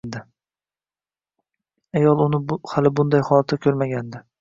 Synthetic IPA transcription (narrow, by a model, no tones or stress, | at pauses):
nd̪ɪ | ajɒlˠʊnɪhalɪbʊnd̪ajhɒlˠat̪ʰːakʲʰɵɾmaɡʲand̪ɪ